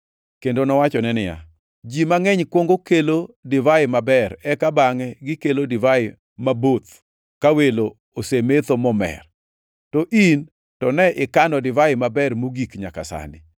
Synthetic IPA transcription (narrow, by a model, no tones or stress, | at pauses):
kendonɔwat͡ʃɔnɛnɪja̰ | d͡ʒimaŋɛɲkwoŋɡokelodɪvaɪmabɛrɛkabaŋɛɡɪkelodɪvaɪ | mabot̪ | kawelo | osemet̪omɔmɛ̰r | tɔʔin | tɔnɛʔɪkandɔdɪvaɪmabɛrmoɡikɲa̰ka̰sa̰nɪ̰